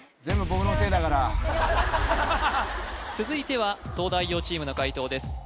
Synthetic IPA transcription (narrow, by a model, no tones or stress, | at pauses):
d͡zẽ̞mbɯ̟bokɯnose̞ːd̪akaɾa | t͡sɨzɨit̪e̞β̞at̪o̞ːd̪aijo̞ːt͡ɕiːmɯ̟no̞kait̪o̞ːd̪e̞sɨ̥